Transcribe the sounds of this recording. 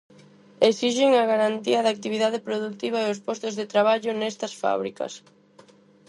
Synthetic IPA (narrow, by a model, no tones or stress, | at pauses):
eksiʃɪŋɐɣaɾant̪iɐðaːk̚t̪iβ̞iðað̞epɾoðuk̚t̪iβ̞ɐeospɔst̪ozðet̪ɾaβaʎʊnɛst̪ɐsfa̰β̞ɾḭkɐ̰s